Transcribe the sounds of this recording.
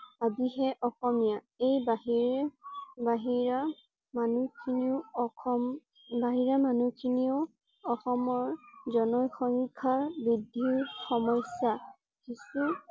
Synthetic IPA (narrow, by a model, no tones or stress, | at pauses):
adiɦɛʔɔxɔmija | ejbaɦiɹɛbaɦiɹa | manukʰiniʊɔɔm | baɦiɹamanukʰiniʊ | ɔxɔmɔɹzɔnɔjxɔŋkʰaɹbɹidʱiɹxɔmɔsja | kisu